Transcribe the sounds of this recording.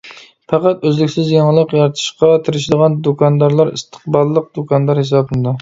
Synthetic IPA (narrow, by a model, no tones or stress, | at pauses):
pɑqɑt̪øzlɪkʲsɪzjɑŋlˠəqjɑɾt̪ʰɨ̥ʃqɑt̪ʰɪɾɪʃɪd̪əʁɑnd̪okʰɑnd̪ɑɾlˠɑɾḭst̪ʰə̥qbɑlˠːəq̚d̪̥okʰɑnd̪ɑɾhes̬ɑbɨnd̪ɑ